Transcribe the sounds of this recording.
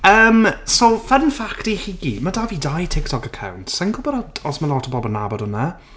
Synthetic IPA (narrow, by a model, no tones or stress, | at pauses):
əːmsowfɛdənfaktixiɡimədavidajtʰɪk̚tʰɔkəkʰa̰wntsɛnkʰʊbəɾɔdɔsməlˠɔtʰəbɔbɔlˠna̰bɔdɔnə